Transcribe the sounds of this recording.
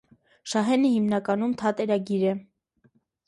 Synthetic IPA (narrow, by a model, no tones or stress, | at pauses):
ʃɑɦɛnəhimnɑkɑnumt̪ʰɑt̪ɛɾɑɡiɾɛ